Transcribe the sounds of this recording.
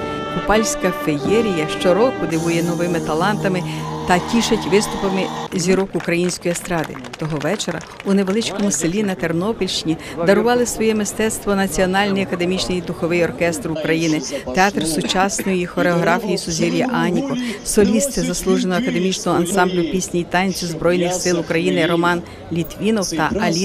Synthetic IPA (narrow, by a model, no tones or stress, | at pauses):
kʊpɑlʲsʲkɐfejɛɾʲijɐʃt͡ʃɔɾɔkʊd̪ɪʋujɛnɔʋɪmɪt̪ɐlˠɑnt̪ɐmɪt̪ɐtʲiʃɐtʲʋɪst̪ʊpɐmɪzʲiɾɔkːkɾɐjinʲsʲkɔjiɐst̪ɾɑd̪ɪ̰ | t̪ɔɦɔʋɛt͡ʃeɾɐ̰ | ʊneʋelˠɪt͡ʃkɔmʊselʲinɐt̪ernɔpilʲʃt͡ʃnʲi | d̪ɐɾʊʋɑlˠɪsʋɔjɛmɪst̪ɛt̪st̪ʋɔnɐt͡sʲiɔnɑlʲnijɐkɐd̪e̞mʲit͡ʃnɪjd̪ʊxɔʋɪjɔrkɛst̪rʊkɾɐjinɪt̪eɑt̪rsʊt͡ʃɑsnɔjʊjixɔɾeɔɦɾɑfʲijisʊzʲiɾʲjɐʔɑnʲikɔsɔlʲist̪ɪzɐslˠuʒenɔɔɐkɐd̪emʲit͡ʃnɔɦɔɐnsɑmblʲʊpʲisʲnʲijit̪ɑnʲt͡sʲʊzbɾɔjnɪxsɪlˠʊkɾɐjinɪɾɔmɑn | lʲit̪ʋʲinɔwt̪ɐɐlʲ